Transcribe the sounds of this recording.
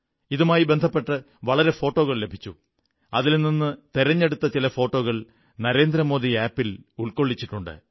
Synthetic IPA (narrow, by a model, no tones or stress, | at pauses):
iðumaːjibe̞nd̪ʱɐpːe̞ʈːɨ | ʋɐɭɐɾe̞fo̞ːʈːo̞ːɣɐɭle̞bʱit͡ɕːu | ɐðilninːɨt̪eɾɐɲːe̞ɽut̪ːɐt͡ɕilɐfo̞ːʈːo̞ːɣɐɭ | nɐɾe̞ːnd̪ɾɐmo̞ːðiaːpːiluɭko̞ɭːit͡ɕːiʈːuɳɖɨ̰